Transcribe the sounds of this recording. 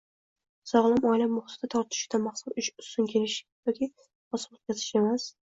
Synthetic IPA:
sɒʁlˠamɒjlammʊχt̪at̪ʰɒɾt̪ʰɪ̥ʃɪd̪anmaχsulʊt͡ʃʊsʊnkʲʰelɪʃjɒkʲʰi | ɒsɪmot̪̚kʲʰazɪʃe̞mas

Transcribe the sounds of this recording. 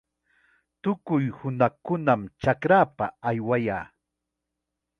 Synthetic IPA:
t̪ʊkʊjhʊnakʊnamt͡ʃakɾaːpaːjwajaː

